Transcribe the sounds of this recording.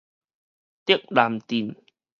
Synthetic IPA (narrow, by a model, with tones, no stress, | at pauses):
t̪i˦˥ək̚ɗa˨˩mt̪i˨˩n